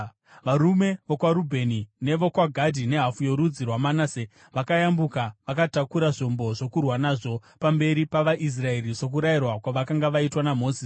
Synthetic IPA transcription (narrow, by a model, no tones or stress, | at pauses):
ʋaɾume̞ʋokwaɾubʱe̞nine̞ʋo̞kwaɡʱadʱine̞ɦafujo̞ɾud͡zirwamanaːse | ʋakajambukaʋakatakuɾaʐo̞mbo̞ʐo̞kurwanaːʐo̞pambe̞ɾipaʋaʔis̬rae̞riʐo̞k̬uɾajirwakwaʋakaŋɡaʋaitwanamo̞ːsi